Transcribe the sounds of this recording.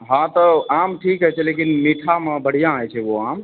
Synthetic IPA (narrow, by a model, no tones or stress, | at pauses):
ɦãt̪ɔamʈʰikɦɛt͡ʃʰɛlekinmiʈʰamebəɽ̤ijãajt͡ʃʰɛwoam